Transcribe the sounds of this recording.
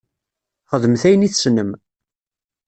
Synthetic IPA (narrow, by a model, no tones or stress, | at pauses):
χəðəmθæjəniθsnəm